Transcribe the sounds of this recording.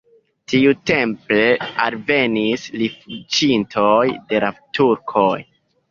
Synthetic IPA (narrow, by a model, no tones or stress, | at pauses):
tiute̞mple̞alve̞nislifut͡ʃintʰojde̞latuɾkʰo̞j